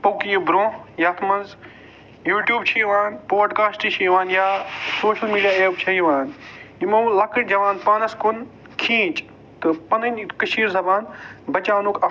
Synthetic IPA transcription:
pokijubɾõːjaːt̪ʰmɐnz | juːʈjuːbt͡ʃʰijʋaːnpoːɖkaːsʈit͡ʃʰijʋaːnjaːsoːʃɐlmiːɖijaːeːp̚t͡ʃʰɐiʋaːnimõːlɐkɐɽd͡ʒɐʋaːnpaːnɐskʊn | kʰĩːt͡ʃ | t̪ɐpɐnɐnkɐʃiːɾzɐbaːnbɐt͡ʃaːnukʰɐ

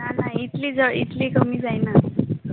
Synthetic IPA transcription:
nanajit̪lid͡zəɽḭt̪likəmiːd͡zajna

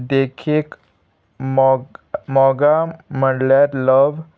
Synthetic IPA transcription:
d̪ekʰek | mɔɡam̤əɽljaɾləʋ

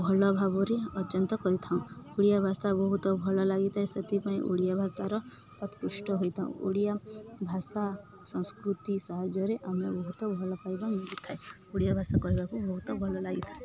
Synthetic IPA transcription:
bʱɔlɔbʱaboɾeɔt͡ʃɔnt̪ɔkɔɾit̪ʰaũuɽijabʱasabɔɦut̪ɔbʱɔlɔlaɡit̪ʰaɦesət̪ipaĩʔṵɽijabʱaɾt̪aɾɔ | pət̪kɾiʃʈɔɦojt̪ʰaṵ̃ṵɽijabʱasa | sɔ̃skɾut̪isaɦad͡ʒɔɾeʔamebɔɦut̪ɔbʱɔlɔpajbanɡit̪ʰae | uɽijabʱasakɔibakubɔɦut̪ɔbʱɔlɔlaɡit̪ʰae

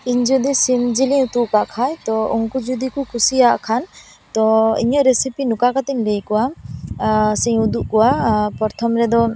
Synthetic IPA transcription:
iɲd͡ʒud̪isimd͡ʒiliut̪uʔkaʔkʰajt̪ɔɔŋkud͡ʒud̪ikukʰusijaʔkʰan | t̪ɔḭɲɔʔɾesipinukakat̪ɛɲlejkɔwa | sɛɲud̪uʔkɔwapɔɾt̪ʰɔmɾɛd̪ɔ

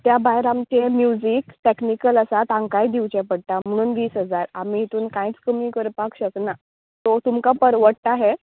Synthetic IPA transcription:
t̪jabaɦeɾamt͡ɕemjud͡zikʈeknikələsat̪ãŋkajd̪iwt͡ɕepəɽt̪am̤əɽ̃uːnʋiːsɦəd͡zaɾa̰miːɦit̪uːnkãit͡skəmiːkəɾpakɕəkna | t̪ot̪umkapəɾʋəɽʈaɦe

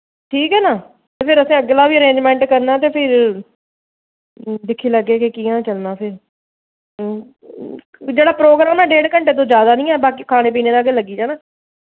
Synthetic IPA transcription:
ʈʰiːkɦɛːnaː | t̪eːpʰɪɾəsĩːəɡeːlaːʋiːəɾẽːɲd͡ʒmɛ̃ːɳʈkəɾnaːt̪̬eːpʰɪɾ | d̪ɪkʰːiːləɡeːkekiːãːt͡ʃəlnaːpʰɪɾ | d͡ʒeːɽaːpɾoːɡɾaːmɛːɖeːɽkəɳʈeːt̪̬õːd͡ʒjaːd̪aːnĩːɛːbaːkiːkʰaːɽ̃ẽːp̬iːneːd̪aːɡeːləɡiːd͡ʒãːnaː

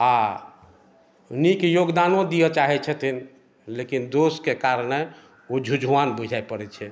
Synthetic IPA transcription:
a | nikejoɡd̪anõd̪ijɔt͡ʃaɦɛt͡ʃʰət̪ʰin | lekind̪oskekaɾne | od͡ʒʱud͡ʒʱuwanbud͡ʒʱaepəɾɛt͡ʃʰɛ

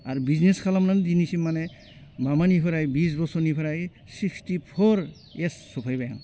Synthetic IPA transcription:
aɹbizneskʰalamnandinisimːanɛ | mamanipʰaɾajbis̬bɔsɔnipʰaɾaj | sikstipʰɔɹ | esːɔpʰajbaja̰ŋ

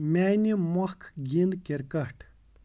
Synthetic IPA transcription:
manimaχkʰɡenkerkahʈ

